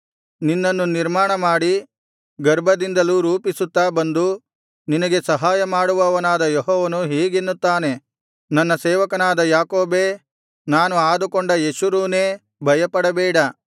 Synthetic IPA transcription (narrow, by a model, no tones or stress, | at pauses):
ninːɐnːuniɾmaːɳɐmaːɽi | ɡɐɾbʱɐd̪ind̪ɐluɾuːpisut̪ːaːbɐnd̪u | ninɐɡe̞sɐɦaːjɐmaːɽuʋɐʋɐnaːd̪ɐjɔɦɔːʋɐnuɦeːɡenːut̪ːaːne̞ | nɐnːɐsɛːʋɐkɐnaːd̪ɐjaːkoːbeː | naːnuaːd̪ukoɳɖɐjeʃuɾuːne̞ː | bʱɐjɐpɐɽɐbɛːɽɐ